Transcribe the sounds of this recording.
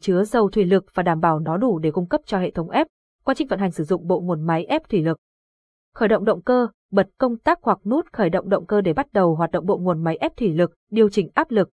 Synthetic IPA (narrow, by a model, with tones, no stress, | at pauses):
t͡ɕɨ˨˦əzə˨˩wt̪ʰwi˧˩lɨ˨˩k̚vaː˨˩ɗaː˧˩mɓaː˧˩wnɔ˨˦ɗu˧˩ɗe˧˩kʊ˧ŋ͡mkə˦˥p̚t͡ɕɔ˧hḛ˧˨t̪ʰə˨˦wŋ͡mʔɛ˦˥p̚ | kwaː˧nt͡ɕï˧˩ŋ̟və̰˧˨nha˨˩jŋ̟sɨ˧˩zʊ̰˧˨ŋ͡mɓo̰˧˨ŋu˨˩ənma˨˦jʔɛ˦˥p̚t̪ʰwi˧˩lɨ˨˩k̚ | xəː˧˩jɗə̰˧˨wŋ͡mɗə̰˧˨wŋ͡mkəː˧ | ɓə˨˩t̚kə˧wŋ͡mt̪aː˦˥k̚hwa˨˩k̚nu˦˥t̚xəː˧˩jɗə̰˧˨wŋ͡mɗə̰˧˨wŋ͡mkəː˧ɗe˧˩ɓa˦˥t̚ɗə˨˩wɦwaː˨˩t̚ɗə̰˧˨wŋ͡mɓo̰˧˨ŋ͡mŋu˨˩ənma˨˦jʔɛ˦˥p̚t̪ʰwi˧˩lɨ˨˩k̚ɗi˨˩əwt͡ɕï˧˩ŋ̟ʔaː˦˥p̚lɨ˨˩k̚